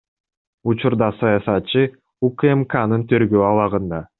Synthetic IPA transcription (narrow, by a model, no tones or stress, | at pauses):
ut͡ʃuɾd̪ɑsɑjɑsɑt̪̚t͡ʃɯ | ukemkanɯnt̪ʰøɾɡøːɑlˠɑʁɯnd̪ɑ